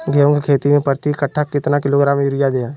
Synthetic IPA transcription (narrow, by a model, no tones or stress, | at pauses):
ɡɛõkekʰeːt̪imẽpəɾt̪ikəʈʰːakɪt̪nakɪloɡɾaːmjʊɾɪjad̪eːjãː